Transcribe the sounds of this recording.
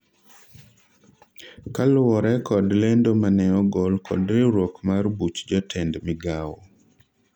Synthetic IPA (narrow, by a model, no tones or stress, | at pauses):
kalʊɔɾɛkɔdlendomanɛɔɡɔlkʰɔ̰dɾɪɾwokmaɾbut͡ʃd͡ʒɔtʰɛndmɪɡawɔ̰